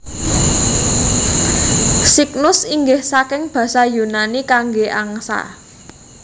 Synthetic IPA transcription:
siknʊsiŋɡɪhsakɪŋb̥ä̤sajunanikaŋɡeʔaŋsa̰

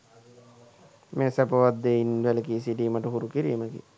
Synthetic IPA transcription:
meːsæpəʋad̪ːeinʋeləkisiɖiːməʈəɦuɾukiɾḭːməɡḭ

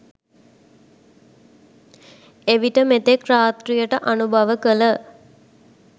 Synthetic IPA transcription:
eʋiʈəmet̪ekraːt̪rijəʈəʔanubʱɐʋəkələ

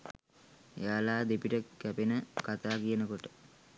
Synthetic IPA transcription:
ḛjaːlaːd̪epiʈəkæpenəkat̪aːkijənəkoʈə

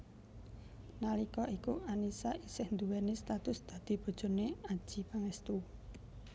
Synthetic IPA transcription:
nalikɔʔikuanisaʔisɪhnd̪uwɛnist̪at̪ʊsd̪̥ä̤d̪̥i̤b̥ɔ̤d̥ʒ̥ɔ̤neḁʒ̥i̤paŋɛst̪u

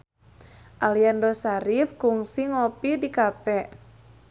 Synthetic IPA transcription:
ʔaliandɔsaɾifkuŋsiŋɔpidikapɛʔ

